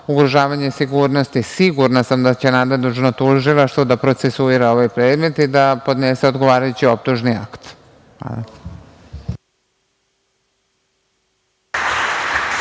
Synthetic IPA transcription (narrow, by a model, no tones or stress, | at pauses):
uɡɾuʒaːʋaɲesiɡuːɾno̞st̪isiɡuɾnasamd̪at͡ɕe̞nad̪ed̪ut͡ʃnot̪uʒilˠaʃt̪ʋod̪apɾo̞t̪sesuiɾao̞ʋajpɾe̞ːd̪me̞t̪id̪apo̞d̪neseo̞d̪ɡo̞ʋaːɾajut͡ɕio̞p̚t̪uʒnia̰kt̪ | a̰d̪a